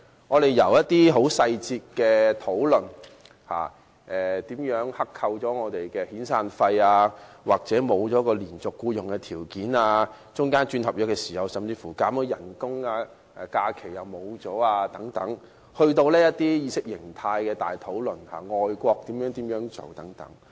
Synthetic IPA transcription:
ŋɔː˨˧t̪e˨˩jjɐ˨˩wjɐ˥t̪̚iː˥ɦo˨˥wsɐ˧jt͡siː˧t̚kɛː˧t̪ʰo˨˥wlɵ˨˩n | ha̰ː˨ | ʔɛː˨t̪iː˨˥mjœː˨˥ŋhɐ˥kʰːɐ˧wt͡ʃɔː˨˥ŋɔː˨˧t̪e˨jkɛː˧hiː˨˥nsaː˧nfɐ˧jaː˧ | waː˨˩k̚t͡sɛː˨˥mo˨˧wt͡sɔː˨˥kɔː˧liː˨˩nt͡sʊ˨kːuː˧jʊ˨˩ŋkɛ˧t̪ʰiː˨˩wkiː˨˥naː˧ | t͡sʊ˥ŋkaː˥nt͡ʃyː˧nhɐ˨p̚ɔː˨˥kɛː˧siː˨˩hɐ˨˧wsɐ˨mt͡siː˧fuː˨˩kaː˨˥mɔ˨˧˥jɐ˨˩nkʊ˥ŋaː˧ | ʔɛː˨˩kaː˧kʰe˨˩jɐ˨wmo˨˧wt͡sɔː˨˥aː˧t̪ɐ˨˥ŋt̪ɐ˨˥ŋ | hɵ˧ɥt̪o˧wlɛː˥jɐ˥t̚t̪iː˥jiː˧sɪ˥k̚jɪ˨˩ŋt̪ʰaː˧jkɛː˧t̪a̰ː˨jt̪ʰo˨˥wlɵ˨nha̰ː˨˩ŋɔː˨jkʷɔː˧k̚t̪iː˨˥mjœː˨˥ŋt̪iː˨˥mjœː˨˥ŋt͡so̰˨˩wt̪ɐ˨˥ŋt̪ɐ̰˨˥ŋ

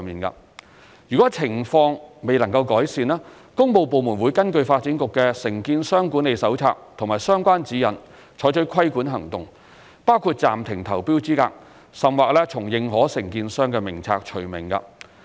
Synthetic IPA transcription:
miː˨nkɐ̰˧ | jyː˨˩kɔː˨˥t͡sʰɪ˨˩ŋfɔː˧ŋme˨jlɐ˨˩ŋkɐ˧wkɔː˨˥jsiː˨nlɛː˥ | kʊ˥ŋpo˨˧wpo˨wmuː˨˩nwuː˨˧jkɐ˥nkɵ˧ɥfaː˧t̚t͡siː˨˥nkʊ˨kːɛ˧sɪ˨˩ŋkiː˧nsœː˥ŋku˨˥ne˨jsɐ˨˥wt͡sʰa̰ː˧k̚t̪ʰʊ˨˩ŋmaː˨˩jsœː˥ŋkʷaː˥nt͡siː˨˥jɐ̰˨˩n | t͡ʃʰɔː˨˥jt͡ʃʰɵ˨˥kʰɐ˥jkuː˨˥nɦɐ˨˩ŋt̪ʊ˨ŋ | paː˥wkʰuː˧t̚t͡sa̰ː˨mt̪ʰɪ˨˩ŋt̪ʰɐ˨˩wpiː˥wt͡siː˥ka̰ː˧k̚ | sɐ˨mwaː˨k̚lɛː˥t͡sʰʊ˨˩ŋjɪ˨ŋɦɔː˨˥sɪ˨˩ŋkiː˧nsœː˥ŋkɛː˧mɪ˨˩ŋt͡sʰa̰ː˧k̚t͡ʃʰɵ˨˩ɥmɪ˨˩ŋkɐ̰˧

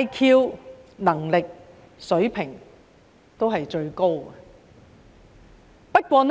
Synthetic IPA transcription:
jkʰiː˧wnɐ˨˩ŋlɪ˨k̚ | sɵ˨˥ɥpʰɪ˨˩ŋ | t̪o˥wɦɐ˨jt͡ʃɵ˧ɥko˥w | pɐ˥t̚kʷɔː˧n

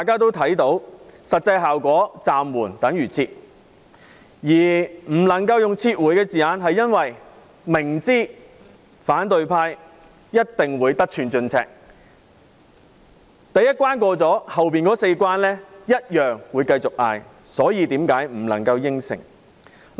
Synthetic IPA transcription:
t̪aː˨jkaː˥t̪o˥wt̪ʰɐ˨˥jt̪o˨˥wsɐ˨t̚t͡sɐ˧jɦaː˨wkʷɔː˨˥t͡saː˨mwuː˨˩nt̪ɐ˨˥ŋjyː˨˩t͡sʰiː˧t̚ | jiː˨˩m̩˨˩lɐ˨˩ŋkɐ˧wjʊ˨ŋt͡sʰiː˧t̚wuː˨˥jkɛː˧t͡siː˨jaː˨˧nɦɐ˨jːɐ˥nwɐ˨j | mɪ˨˩ŋt͡siː˥ | faː˨˥nt̪ɵ˧ɥpʰaː˧j | jɐ˥t̚t̪ɪ˨ŋwuː˨˧jt̪ɐ˥k̚t͡ʃʰyː˨˧nt͡ʃɵ˧nt͡sʰɛ̰ː˧˥k̚ | t̪ɐ˨jɐ˥t̚kʷwaː˥nkʷɔː˧t͡sɔː˨˥hɐ˨wpiː˨˩nkɔː˨˥se˧jkʷwaː˥nlɛː˥jɐ˥t̚jœː˨ŋwuː˨˧jkɐ˧jt͡sʊ˨k̚ʔa̰ː˧j | sɔː˨˥jiː˧t̪iː˨˥mkaː˨˥jm̩˨˩lɐ˨˩ŋkɐ˧wjɪ˥ŋsɪ̰˨˩ŋ

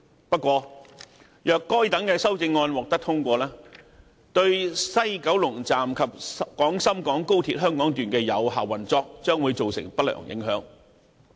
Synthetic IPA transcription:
pɐ˥t̚kʷɔː˧ | jœː˨kːɔː˥jt̪ɐ˨˥ŋkɛː˧sɐ˥wt͡sɪ˧ŋːɔː˧nwɔː˨k̚t̪ɐ˥k̚t̪ʰʊ˥ŋkʷɔː˧lɛː˥ | t̪ɵ˧ɥsɐ˥jkɐ˨˥wlʊ˨˩ŋt͡saː˨mkʰɐ˨p̚kɔː˨˥ŋsɐ˥mkɔː˨˥ŋko˥wt̪ʰiː˧˥t̚ɦœː˥ŋkɔː˨˥ŋt̪yː˨˩nkɛː˧jɐ̰˨˧wɦa̰ː˨wɐ˨˩nt͡sɔː˧k̚t͡ʃœː˥ŋwuː˨˧jt͡so˨wsɪ̰˨˩ŋpɐ˥t̚lœ̰ː˨˩ŋjʔɪ̰˨˥ŋɦœ̰ː˨˥ŋ

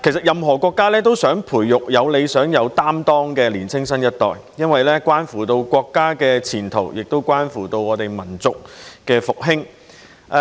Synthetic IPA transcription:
kʰe˨˩sɐ˨˩t̚jɐ˨mɦɔː˨˩kʷɔː˧kːaː˥lɛː˥t̪o˥wsœː˨˥ŋpʰuː˨˩jːʊ˨k̚jɐ˨˧wle˨˧jsœː˨˥ŋjɐ˨˧wt̪aː˥mt̪ɔː˥ŋkɛː˧liː˨˩nt͡sʰɪ˥ŋsɐ˥njɐ˥t̚t̪ɔ̰ː˨jjɐ˥nwɐ˨jlɛː˥kʷaː˥nfuː˨˩t̪o˧wkʷwɔː˧kːaː˥kɛː˧t͡sʰiː˨˩nt̪ʰo˨˩wjɪ˨k̚t̪o˥wkʷaː˥nfuː˨˩t̪o˧wɔː˨˧t̪e˨jmɐ˨˩nt͡sʊ˨k̚kɛː˧fʊ˨k̚ɦɪ˥ŋ

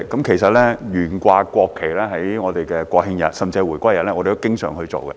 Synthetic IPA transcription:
kɐ˨˦mkʰe˨˩jsɐ˨t̚lɛː˥jyː˨˩nkʷaː˧kʷɔː˧kʰːe˨˩jlɛː˥ɦɐ˨˥jŋɔː˨˧t̪e˨jkɛː˧kʷwɔː˧hɪ˧ŋjɐ̰˨˩t̚sɐ˨mt͡si˧ɛ˧jwuː˨˩jkʷaː˥jɐ˨t̚lɛː˥ɔː˨˧de˨t̪o˥kɪ˥ŋsœ̰ː˨˩ŋhɵ˧ɥt͡so̰˨wkɛ̰˧

